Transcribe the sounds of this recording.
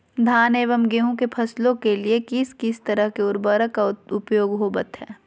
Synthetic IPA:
d̪ʱaːneːʋəmɡeːɦõkepʰɐslõkeliekɪskɪst̪ɐɾəɦkeʊɾbəɾəkaʊpjoːɡɦoːbət̪ɦɛː

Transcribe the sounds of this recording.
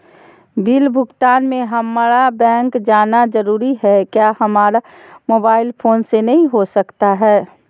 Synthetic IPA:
bilbʱʊɡt̪aːnmẽɦəmaɾabɛ̃ːŋkd͡ʒaːnad͡ʒəɾuːɾiɦɛkjaːhɐmaːɾa | moːbaːɪlpʰoːnsenɐɦĩɦosəkt̪aɦɛː

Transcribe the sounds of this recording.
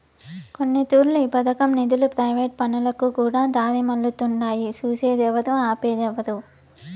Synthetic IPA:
ko̞nːit̪uːɾluipɐd̪ɐkɐmnid̪ulupɾɐjʋeːʈ̚pɐnulɐkukuːɽaːd̪aːɾimɐlːut̪uɳɖaːjit͡ʃuːseːd̪ɛʋɐd̪uaːpeːd̪ɛʋɐd̪u

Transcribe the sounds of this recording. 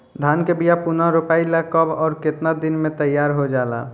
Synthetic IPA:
d̪ʱankebijapunəɾupailakəbɔːɾket̪nad̪inmet̪əjaɾɦod͡ʒala̰

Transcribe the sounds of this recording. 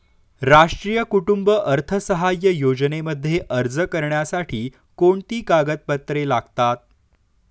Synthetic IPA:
ɾaʂʈɾiːjəkuʈumbəʔəɾt̪ʰəsəɦajːəjod͡zneməd̪ʱːjeʔəɾd͡zəkəɾɳjasaʈʰiː | koɳt̪iːkaɡət̪̚pət̪ɾelaɡt̪at̪̚

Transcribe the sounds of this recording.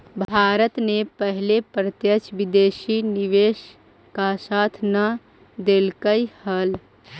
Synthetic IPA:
bʱaːɾət̪nepəɦlepɾət̪jət͡ʃʋɪd̪eːʃinɪʋeːʃ | kasat̪ʰnə | d̪elkəihəl

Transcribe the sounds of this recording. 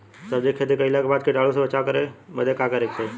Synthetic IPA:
səbd͡ʒekʰːet̪ekəilaːkbaːd̪̚keʈaːlusẽʋət͡ʃakəɾeməd̪ʱekakəɾeːkt͡ʃʰeː

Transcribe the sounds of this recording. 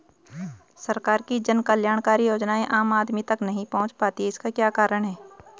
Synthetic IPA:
sɐɾkaːɾkid͡ʒɐnkɐljaːɽ̃kaːɾijoːd͡ʒnaːẽʔaːmaːd̪mit̪ɐknɐɦĩpɐɦʊ̃t͡ʃpaːt̪iɦɪskakjaːkaːɾəɽ̃ɦɛː

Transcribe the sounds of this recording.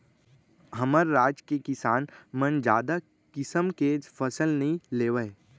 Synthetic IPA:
ɦəməɾːaːd͡ʒkekɪsaːnmənd͡ʒaːd̪a | kɪsəmkeːd͡ʒpʰəsəlnəɦĩleːʋəj

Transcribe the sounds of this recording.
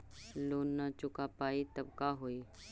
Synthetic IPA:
loːnːat͡ʃʊkapaːit̪ɐbkaɦoːiː

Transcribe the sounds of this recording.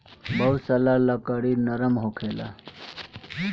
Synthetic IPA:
bəusəlaləkəɽinəɾəmɦokʰela̰

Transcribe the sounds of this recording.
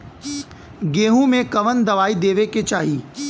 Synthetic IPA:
ɡeːɦũmẽkɐʋənd̪ɐʋaːid̪eːʋeket͡ʃaːɦiː

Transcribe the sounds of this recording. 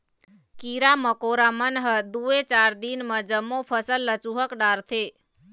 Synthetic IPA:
kiɾaməkoɾamənɦəd̪uet͡ʃaːɾd̪inmə̃d͡ʒəmːopʰəsəlːət͡ʃuɦəkɖaːɾt̪ʰe

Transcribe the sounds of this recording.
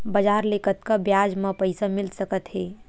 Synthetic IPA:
bɐd͡ʒaːɾlekət̪kabjaːd͡ʒmãpɐɪsamɪlsɐkət̪ɦɛː

